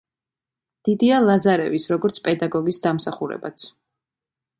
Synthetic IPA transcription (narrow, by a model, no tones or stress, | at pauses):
d̪̥id̪ialˠazaɾɛ̰visɾɔɡɔɾt̪sʰpʼɛd̪aɡɔɡisd̪amsaχuɾɛ̰bat̪sʰ